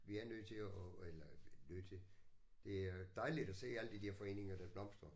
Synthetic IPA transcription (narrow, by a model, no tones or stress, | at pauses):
ʋiæɐnøð̰ˠt͡sʰe̝ɒelɐnøð̰ˠt͡sʰe̝d̥e̝ææɐd̥ɑ̈ɪlid̥ɒse̝̰ːæləd̥id̥eɐfɒ̽e̝̰ːne̝ŋɐd̥æb̥lɒ̽m̰sd̥ʁɐ